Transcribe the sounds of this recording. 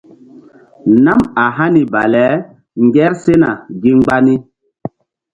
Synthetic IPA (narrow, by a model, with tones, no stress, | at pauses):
na˦ma˨ɦa˦ni˨ba˨lɛ˨˦ | ŋɡɛ˦ɾse˦na˨ɡi˦ŋ͡mɡ͡ba˦ni˦